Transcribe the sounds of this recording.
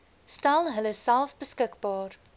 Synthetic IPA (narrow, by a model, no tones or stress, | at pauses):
stalɦələssælˠfbəskəkbɑːr